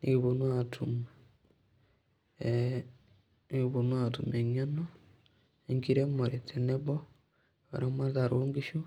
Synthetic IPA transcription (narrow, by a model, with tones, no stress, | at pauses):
niβo˨nwatʰum | niβonwa˨tu˨me˨ɲa˦no˦ | e˨ŋki˦ɾe˦mo˨ɾe˨tʰe˨ne˦βo˦ | o̰˨ɾa˦ma˦ɾza˨ɾoː˦ŋɡi˦ʃo˦